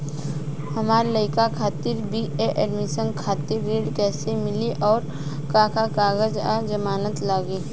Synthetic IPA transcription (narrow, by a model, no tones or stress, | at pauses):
hɐmaːɾləɪkakʰaːt̪ɪɾbʱieʔɛːɖmisə̃nkʰaːt̪ɪɾːeːɽkɛːsemɪliʔɔːɾ | kãːkakaːɡəd͡ʒad͡ʒɐmaːnət̪laːɡiː